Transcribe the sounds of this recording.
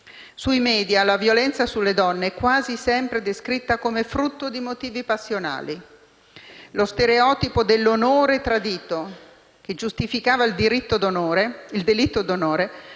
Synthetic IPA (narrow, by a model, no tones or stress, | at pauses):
suimɛːd̪jalavjolɛnt̪sasulːed̪ɔnːekwaːzisɛmpɾed̪eskɾit̪ːakomefɾut̪ːod̪imot̪iːvipasːjona̰ːli | lost̪eɾeɔːt̪ipod̪elːonoːɾet̪ɾad̪iːt̪o | k̟ed͡ʒust̪ifikaːvaild̪iɾit̪ːod̪onoːɾeild̪elit̪ːod̪onoːɾe